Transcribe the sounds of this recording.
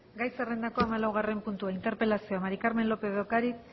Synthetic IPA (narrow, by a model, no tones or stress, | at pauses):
ɡajsere̞nd̪ako̞amalawɣ̞are̞mpunt̪uaint̪e̞ɾpe̞lasioamaɾikaɾme̞nlo̞pe̞okaɾik